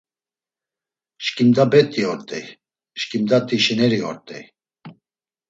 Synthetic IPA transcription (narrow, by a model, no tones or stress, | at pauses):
ʃkʼimd̪abɛt̪ʼiɔɾt̪ʼɛj | ʃkʼimd̪at̪ʼiʃinɛɾiɔɾt̪ʼɛj